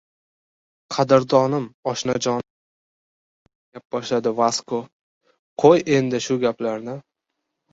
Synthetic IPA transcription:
qʰɑd̪ɪɾd̪ɒnɪmɒʃnad͡ʒɒn | ap̚bɒʃlad̪ɪvasko | qʰoje̞nd̪ɪʃʊɡʲaplaɾnɪ

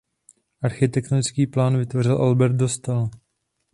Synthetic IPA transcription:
ʔaɾxɪt̪ɛkt̪onɪt͡skiːplaːnvɪt̪vor̝ɪlʔalbɛɾt̪̚do̞st̪al

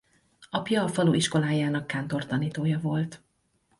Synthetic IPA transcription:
ɒpjɒːfɒluʔiʃko̞laːjaːnɒkːaːnt̪o̞rt̪ɒniːt̪oːjɒvo̞lt̪

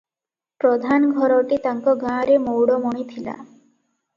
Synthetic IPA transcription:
pɾɔd̪ʱanɡʱɔɾɔʈit̪aŋkɔɡãɾemowɽɔmɔɽ̃it̪ʰila̰

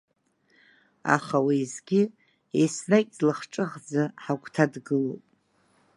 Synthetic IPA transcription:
a̰χawizɡʲɪ | esnakʲʼzlɨχʈ͡ʂʼɨʁd͡zaħakʷʰʼtʰadɡɨlopʼ

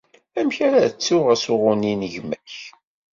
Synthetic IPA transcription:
æmçaɾat͡sːuʁæsʊʁʊninəʝmæç

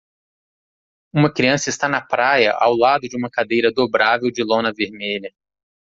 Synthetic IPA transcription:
ũmɐkɾiɐ̃sɐɪst̪anɐpɾajɐ̰ʔawlad̪ʊd͡ʒɪũmɐkad̪ejɾɐd̪obɾavewd͡ʒɪlõnɐveɾmeʎɐ

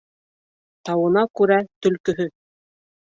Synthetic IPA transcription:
t̪ɑwɤ̆nɑkʉɾæt̪ɵ̆lkɵ̆ɦɵ

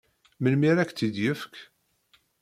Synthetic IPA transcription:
məlmiɾækt͡s̪id̪jəfk

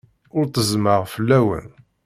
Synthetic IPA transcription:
ʊɾt̪əzməʁfəlːæwə̰n

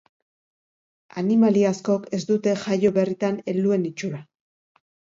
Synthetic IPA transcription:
a̰nimaliasko̞ke̞zd̪ut̪e̞ʝajo̞βe̞rit̪ane̞lue̞nit͡ʃula

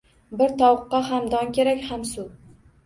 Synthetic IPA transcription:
bɪɾt̪ʰɒwqːɑɦamd̪ɒŋkʲeɾakʲhamsʊ

